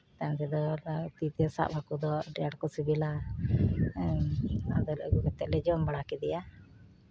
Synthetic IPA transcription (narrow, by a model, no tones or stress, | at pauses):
t̪ant̪ɛd̪ɔt̪it̪sa̰ʔbʱakud̪ɔɖɛjaɽkɔsibila | ad̪ɔlə̰ɡuɡɛt̪ɛʔ̚lɛd͡ʒɔmbaɽakɛd̪ɛja